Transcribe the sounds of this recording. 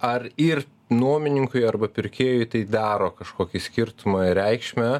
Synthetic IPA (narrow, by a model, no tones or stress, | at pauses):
ɐrɪr | nuɔmʲɪnʲɪŋkʊɪɐrbɐpʲɪɾʲkʲeːjʊɪt̪ɐɪd̪ɑːɾoːkɐʃkoːkʲɪsʲkʲɪɾt̪ʊmɐɾʲɛɪkʃʲmʲɛ